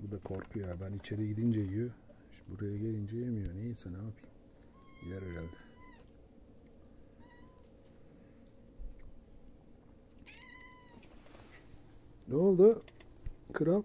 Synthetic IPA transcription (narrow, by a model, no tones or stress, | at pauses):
bud̪akʰoɾkʰujojabænit͡ʃʰe̞ɾiɟid̪ind͡ʒejijø | ʃbuɾajaɟelind͡ʒejemijonejisɛnaːpʰɯjm | ijɛɾɟælʲd̪ɪ | noːlˠd̪u | kʰɯɾa